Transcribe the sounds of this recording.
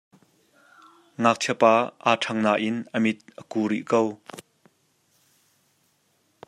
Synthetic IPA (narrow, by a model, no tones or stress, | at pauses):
ŋaːk̚t̪ʰɛpaːʔaːtʰɐŋnaːʔɪnʔəmɪt̪̚ʔəkuːɾḭʔkow